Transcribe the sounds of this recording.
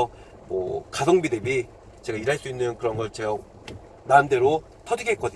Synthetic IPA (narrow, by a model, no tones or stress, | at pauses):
ʌ | mwʌ̰kasʰʌŋbidebi | t͡ɕe̞ɡaiɾaɭs͈uinːɯnkɯɾʌnɡʌɭt͡ɕeʌ | naɯndeɾo | tʰʌdiɡek͈ʌdɯ